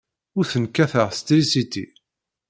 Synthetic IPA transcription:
ʊɾθənkːæθəʁst̪ɾisit̪ḭ

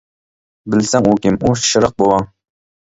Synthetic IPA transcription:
bɪlsɛŋukʲɪmuʃɨɾəq̚bolˠɑŋ

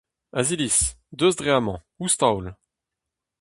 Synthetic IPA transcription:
azilisd̪øzd̪ʁeamɑ̃ | ust̪awl

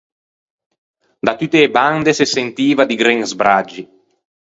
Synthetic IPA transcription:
d̪at̪ut̪ːeːband̪esesent̪iːvad̪iɡɾɛŋzbɾad͡ʒːi

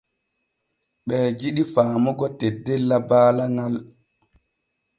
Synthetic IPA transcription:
ɓɛːd͡ʒiɗifaːmɔɡɔtedːelːabaːlaŋal

